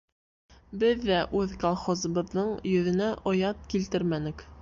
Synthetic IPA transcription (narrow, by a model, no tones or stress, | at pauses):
bɘðːæʔʉðkolˠχozɤ̆βɤ̆ðːɤɴjɵ̆ðɘ̆næʔŏjɑt̪̚kilt̪ɘɾmænɘk